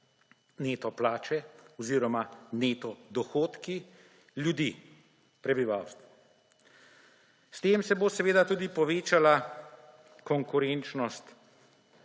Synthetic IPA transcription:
neːt̪ɔplaːt͡ʃɛɔziːɾɔmaneːt̪ɔd̪ɔxoːt̪ki | ljud̪iː | pɾɛbiʋaːwst̪ʋɔ | st̪eːmsɛbosɛʋeːd̪at̪uːd̪ipɔʋeːt͡ʃala | kɔŋkʊɾent͡ʃnɔst̪

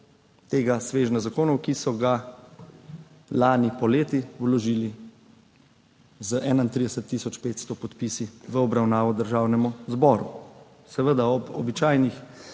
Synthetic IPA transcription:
t̪eːɡasʋeːʒnazakoːnɔwkisɔɡa | laːnipɔleːt̪iwlɔʒiːli | zəʔɛːnaint̪ɾiːd̪ɛsət̪ːisɔt͡ʃpeːt̪st̪ɔpɔt̪pisiʋəɔbɾawnaːʋɔd̪əɾʒaːwnɛmuzbɔːɾṵ | sɛʋəd̪aɔbɔ̰bit͡ʃaːjnix

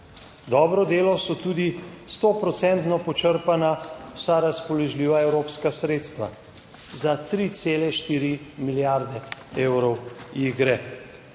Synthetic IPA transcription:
d̪ɔːbɾɔd̪eːlɔsɔt̪uːd̪ist̪opɾɔt̪sɛnt̪nɔpɔt͡ʃəɾpanawsaɾaspɔlɔʒliːʋaɛwɾoːpskasɾeːt̪st̪ʋa̰ | zat̪ɾit̪seːlɛʃt̪iːɾimiljaɾd̪ɛeːwɾɔwiɡɾɛ

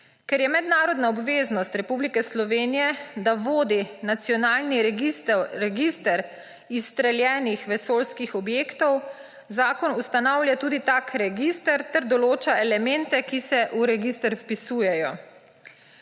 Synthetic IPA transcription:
kɛɾjɛmɛd̪naːɾɔd̪naɔbʋeːznɔst̪ɾɛpublikɛslɔʋeːnijɛd̪aʋoːd̪inat̪sijɔnaːlni | ɾɛɡist̪ɛɾ | ist̪ɾɛljɛːnixʋɛsoːlskixɔbjeːkt̪ɔw | zaːkɔnust̪anawlʲjat̪uːd̪it̪akʰɾɛɡist̪ɛɾt̪ɛɾd̪ɔloːt͡ʃaɛlɛmɛnt̪ɛkisɛʔuɾɛɡist̪ɛɾfpisuːjɛjɔ

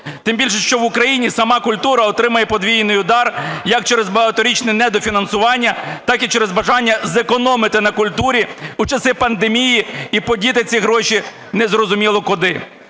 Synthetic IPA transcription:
t̪ɪmbʲilʲʃɛʃt͡ʃɔʋʊkɾɐjinʲisɐmɑkʊlʲt̪uɾɐɔt̪ɾɪmɐjɛpɔd̪ʋʲijnɪjʊd̪ɑrjɐk̚t͡ʃɛɾɛzbɐɦɐt̪ɔɾʲit͡ʃnɪjnɛd̪ɔfʲinɐnsʊʋɑnʲːɐt̪ɑkit͡ʃɛɾɛzbɐʒɑnʲːɐzekɔnɔmɪt̪ɪnɐkʊlʲt̪uɾʲiʊt͡ʃɐsɪpɐnd̪emʲijiipɔdʲit̪ɪt͡sʲiɦɾɔʃʲi | nɛzrɔzʊmʲilˠɔkʊd̪ɪ

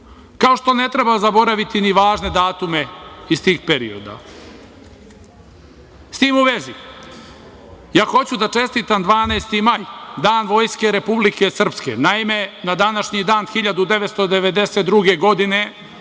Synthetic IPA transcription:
kao̞ʃt̪one̞t̪ɾebazabo̞ɾaʋit̪iniʋaːʒne̞d̪aːt̪ume̞ist̪iːxpe̞ɾḭo̰d̪a̰ | st̪iːmuʋe̞zi | jaːxo̞t͡ɕud̪at͡ʃe̞st̪iːt̪amd̪ʋaːneːst̪imajd̪aːnʋo̞ːjske̞ɾe̞publike̞sr̩pskḛnaime̞nad̪anaʃɲid̪aːnxiʎad̪ud̪e̞ʋet̪st̪od̪eʋe̞d̪e̞set̪d̪ɾuɡe̞ɡo̞d̪ine̞

